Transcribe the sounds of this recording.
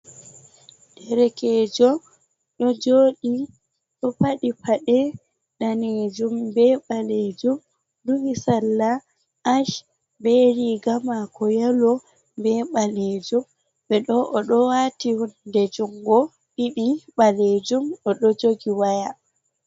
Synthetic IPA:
dɛɾɛkɛːd͡ʒɔ | ɗɔd͡ʒoːɗi | ɗɔpaɗipaɗɛ | ɗaned͡ʒumbɛɓaled͡ʒum | dumisalːa | ʔaʃ | bɛɾiɡamakʰɔjalɔ | bɛɓaled͡ʒum | bɛɗɔʔɔɗɔwatiwdɛd͡ʒuŋɡɔ | ɗiɗiɓaled͡ʒumɔɗɔd͡ʒoɡiwaja

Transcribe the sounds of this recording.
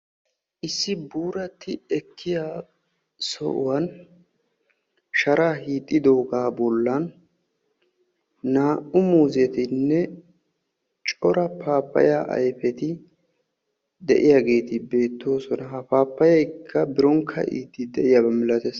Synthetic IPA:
ʔɪsːɪbuːɾɐt̪ːɪɛkʰːɪjaː | sɔ̰ʔʊ̰wɐn | ʃɐɾaːhiːt̪ʼːɪd̪o̞ːɡaːbɔlːɐn | aːʔʊmuːzɪɛt̪ɪnːɛ | t͡ʃʼɔɾɐpʰaːpːɐ̰jaːʔɐ̰jfɛt̪ɪ | d̪ɛ̰ʔɪjaːɡe̞ːt̪ɪbe̞ːt̪ːo̞ːsɔnɐɦɐpaːpːɐjɐjkʰːɐbɪɾɔŋkʰːɐ̰ʔḭːt̪ːɪd̪ɛʔɪjaːbɐmɪlɐt̪es

